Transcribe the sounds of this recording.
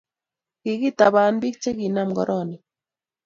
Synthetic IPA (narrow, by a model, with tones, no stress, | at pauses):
ki˨ɣi˦t̪a˨βa˨nbi˦k̚t͡ʃe˦ɣi˨na˦˨mɡɔ̰˨ɾʔɔ˦ni˨